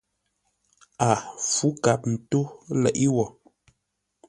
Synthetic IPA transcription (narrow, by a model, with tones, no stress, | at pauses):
a˨fu˨˦ka˨˦p̚n̩˨to˦lɛ̰˨ʔi˦wɔ˨